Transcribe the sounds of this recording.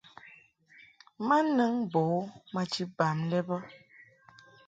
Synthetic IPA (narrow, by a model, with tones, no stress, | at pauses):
ma˦nə˦ŋbo˨˦ma˦t͡ʃi˦ba˨mlɛ˦bɔ˦